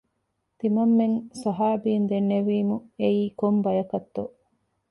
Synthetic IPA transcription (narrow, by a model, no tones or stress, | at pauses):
t̪imɐmːeŋsɐɦaːbiːnd̪enːeʋiːmueiːkombɐjɐkɐt̪ːo